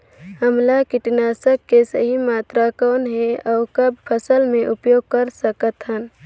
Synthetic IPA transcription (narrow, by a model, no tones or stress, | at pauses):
ɦəmlakɪʈnaːsəkːesəɦimaːt̪ɾakɔːnɦɛɔːkɐb̚pʰəsəlmẽʔʊpjoːɡ̚kəɾsəkət̪ɦən